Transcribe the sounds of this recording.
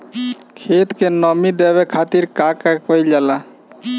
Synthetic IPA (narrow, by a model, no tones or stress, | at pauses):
kʰet̪kenɔmid̪eβekʰat̪iɾkakakojd͡ʒala